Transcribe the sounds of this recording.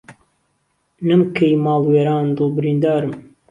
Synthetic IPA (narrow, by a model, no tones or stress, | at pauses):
nɨmkʰejmɑːlweːɾaːnd̪ɨlbɨɾiːnd̪aːɾɨm